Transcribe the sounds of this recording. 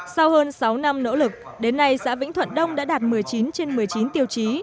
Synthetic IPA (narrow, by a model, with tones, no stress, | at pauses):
sa˧whəː˧nsa˨˦wna˧mno̰˧˥lɨ˨˩k̚ɗe˨˦nːa˧jsa̰ː˧˥vḭ˧˥ŋt̪ʰə̰˧˨nɗə˧wŋ͡mɗa̰ː˧˥ɗaː˨˩t̚mɨ˨˩əjt͡ɕi˨˦nt͡ɕe˧nmɨ˨˩əjt͡ɕi˨˦nt̪i˨˩əwt͡ɕi˨˦